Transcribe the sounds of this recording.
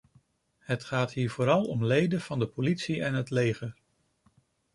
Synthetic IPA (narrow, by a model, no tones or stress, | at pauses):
hətχaːtɦiːɹvʊːɾɑlˠɔ̰mlejdəv̥ɑndəpolitsiɛnɦətlejχəɹ